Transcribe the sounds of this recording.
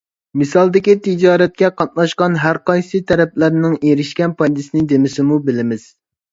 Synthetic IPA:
mɨsɑlˠd̪ɪkʲit̪ʰɪd͡ʒɑːɾɛt̪̚kʲɛqɑt̪̚nˠɑʃqɑnɦæɾqɑjsɨt̪ʰɛɾɛp̚læɾnɪŋeɾɪʃkʲɛnpʰɑjd̪ɪsɪnɪd̪emɪsɪmubɪlɪmɪz̥

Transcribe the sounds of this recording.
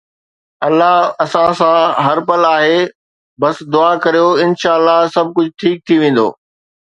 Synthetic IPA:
ɐlːaɦɐsãsãɦɐɾpɐlaːɦeː | bɐsd̪ʊaːkɐɾijoɪnʃaːəlːaɦsɐb̚ʱkʊd͡ʑʱʊʈʰiːk̚t̪ʰiʋẽːn̆d̪o̰ː

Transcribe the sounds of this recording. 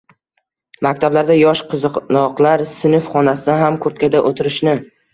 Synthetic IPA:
makʲt̪ʰablaɾd̪ajɒʃqʰɨzɨqnɒqlaɾsɪnɪfχɒnasɪd̪aɦamkʰɵɾt̪̚kʲad̪aʔot̪ʰɪɾɪʃnɪ

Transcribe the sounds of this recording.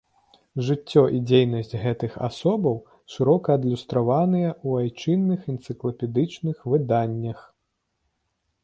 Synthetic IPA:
ʐɨt͡sʲːɔʔid͡zʲejnɐsʲt͡sʲɣɛt̪ɨxa̰sɔbɐw | ʂɨɾɔkɐːd̪lʲust̪ɾavanɨjɐuajt͡ʂɨnːɨxɛnt̪sɨklˠɐpʲɛd̪ɨt͡ʂnɨxvɨd̪anʲːɐx

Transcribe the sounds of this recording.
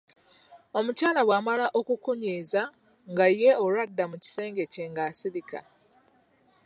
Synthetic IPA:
o̞mucaːlaβwaːmalaʔo̞kukuɲiːza | ŋɡajːe̞olwadːamuci̥se̞ːŋɡe̞ceːŋɡaːsiɾika̰

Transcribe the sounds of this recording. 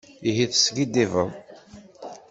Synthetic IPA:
iɦiθsɡid̪ivəm

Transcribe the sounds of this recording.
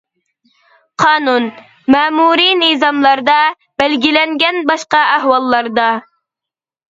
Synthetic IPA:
qʰɑːnun | mɛːmuɾinizɑmlˠɑɾd̪ɑ | b̥ɛlɡʲilɛŋɡʲɛnbɑʃqɑæhwɑlˠːɑɾd̪ɑ

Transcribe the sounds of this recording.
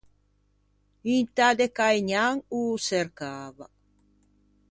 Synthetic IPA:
int̪ad̪ekajɲaŋuseɾkaβa

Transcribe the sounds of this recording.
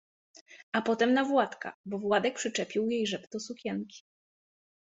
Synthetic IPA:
ʔapɔt̪ɛmnavwat̪ka̰bɔvwad̪ɛk̚pʂɘt͡ʂɛpʲiwjejʐɛpt̪ɔsukʲɛnkʲi̥

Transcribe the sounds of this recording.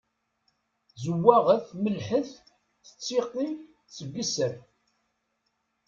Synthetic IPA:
zəwːæʁəθməlħəθ | θə̥t͡sːiqi | t͡sːəbisəɾ

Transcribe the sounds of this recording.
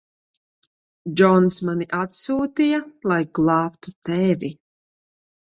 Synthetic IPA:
d͡ʒɔnsmaniʔat̪suːt̪ijɐlˠajɡlˠɑːpt̪ut̪ɛvʲi

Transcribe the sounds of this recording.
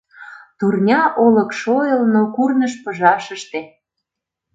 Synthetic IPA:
t̪urnʲɑʔolɤ̆kʃojəlnokurnəʃpə̆ʒɑʃə̆ʃt̪ĕ

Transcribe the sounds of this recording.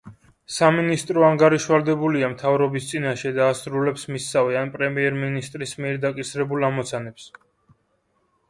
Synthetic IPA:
saminist̪ʼɾɔaŋɡaɾiʃvald̪ɛbuliamt̪ʰavɾɔbist̪sʼinaʃɛd̪aːsɾulɛpsmisavianpʼɾɛmiɛɾminist̪ʼɾismiɛɾd̪akʼisɾɛbulamɔt̪sʰanɛps

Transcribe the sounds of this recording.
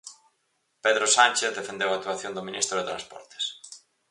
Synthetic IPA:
peðɾosanʲt͡ʃeθðefend̪ewak̚t̪waθjond̪omĩnist̪ɾoðet̪ɾã̰spɔ̰ɾt̪e̥s

